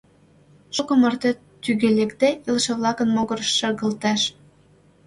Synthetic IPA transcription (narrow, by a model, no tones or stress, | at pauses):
ʃokə̆mɤ̆rt̪e | t̪yɣelekd̪æʔilʃĕβlɑkə̆nmoɣɤ̆rʃːɤ̆ɣə̆lt̪ɑʃ